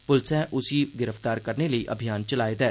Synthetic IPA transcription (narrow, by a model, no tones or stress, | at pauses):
pʊlsɛ̃ʔʊsiɡɪɾəft̪aːɾkəɾneləiʔə̰bʱijaːnt͡ʃəlaːed̪ɛː